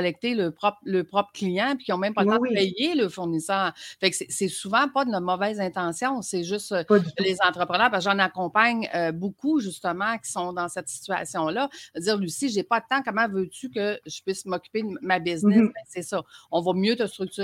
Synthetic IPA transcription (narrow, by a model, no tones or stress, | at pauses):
lɛk̚t̪eləpʁɔpləpʁɔpχə̥klijɑ̃pi̥kʲjɔ̃mɛ̃mpɔlt̪ãd̪əpɛjeləfʊʁnisœːʁfɛksɛsɛsuvɑ̃pʌd̪ənɔmɔvɛzɛ̃t̪ɑ̃sjɔ̃sɛʒʏst̪lezɑ̃t̪ʁəpʁənœːʁpask̬ʒɑ̃nakɔ̃paɲøbukʰuʒyst̪əmɑ̃kʲi̥sɔ̃d̪ɑ̃sɛt̪si̥t͡s̪ya̰sjɔ̃lʌd͡z̪iːʁlɥisiʒepɔlət̪ãkɔmɑ̃vøt͡sykəʒə̥pɥɪsmɔkʲy̥ped̪əmabɪznnɪsbɛsɛsɔɔ̃vɔmjøt̪əst̪ʁyk̚t̪t͡sy